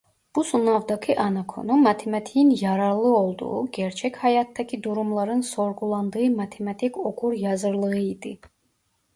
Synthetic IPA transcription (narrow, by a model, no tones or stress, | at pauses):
b̥usunɑvd̪ɑkʰɯʔɑnɑkʰo̞̰numːɑt̪ʰemɑt̪ʰijinjɑɾɑɾlˠɯo̞lˠd̪ṵuɟɛɾt͡ʃʰɛchɑjɑt̪d̪acʰid̪uɾumlˠɑɾɯnso̞ɾɡulˠɑnd̪ɯɯmɑt̪ʰemɑt̪ʰikʰoɡuɾjɑzɯɾlˠɯɣɯid̪ḭ